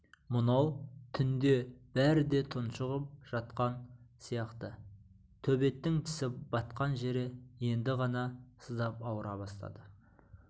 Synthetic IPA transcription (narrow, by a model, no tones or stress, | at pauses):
mʊnɑwt̪ʰʏnd̪e̞b̥æɾɪd̪e̞t̪ʰʊnʃəʁəp̚ʒ̥ɑt̪qɑnsijɑqt̪ə | t̪ʰɵbe̞t̪ːɪŋt̪ʰɪ̥sɪb̥ɑt̪qɑnʒe̞ɾɪje̞nd̪ɪʁɑnɑsəzd̪ɑpɑwəɾʔɑbɑst̪ɑ̰d̪ə